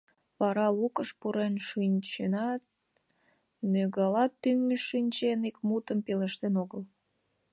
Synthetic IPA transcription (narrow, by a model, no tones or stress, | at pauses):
βɑɾɑlukəʃpuɾenʃinʲt͡ɕenɑt̪̚ | nøɣɑlɑt̪ːyŋəʃinʲt͡ɕenikmut̪əmpeleʃt̪enoɣəl